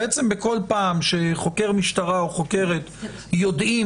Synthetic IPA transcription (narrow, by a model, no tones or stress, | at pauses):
et͡sembeko̞lpaːmʃe̞χo̞ke̞ʁmiʃt̪aʁaoχo̞ke̞ʁet̪ | jo̞dʔi